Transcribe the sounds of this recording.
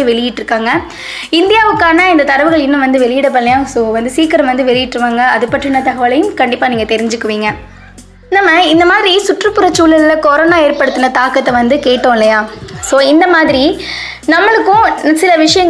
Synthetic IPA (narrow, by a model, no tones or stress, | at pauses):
ʋɛɭɪjɪʈːɾɯkːaːŋɡɐ | ɪnd̪ɪjaːʋɯkːaːnɐɪnd̪ɐt̪ɐɾɐʋɯɣɐɭɪnːɯ̃mʋɐnd̪ɯʋɛɭɪjɪɽɐpːɐllɐjaːsoːʋɐnd̪ɯsiːkɐɾɐmʋɐnd̪ɯʋɛɭɪjɪʈːɾɯʋaːŋɡɐɐðɯpːɐʈrɪnɐt̪ɐɣɐʋɐlɐjɯmkɐɳɖɪpːaːniːŋɡɐt̪ɛɾɪɲd͡ʒɯkːɯʋiːŋɡɐ | naːmɐɪnd̪ɐmaːðɪɾisʊʈrɯpːɯɾɐt͡ʃːuːlɐllɐkɔɾoːnaːeːɾpɐɽɯt̪ːɯnɐt̪aːkɐt̪ːɐʋɐnd̪ɯkeːʈːõːɪlːɐjaːsoːɪnd̪ɐmaːðɪɾi | nɐmːɐɭɯkːʊ̃sɪlɐʋɪʂɐjɐŋ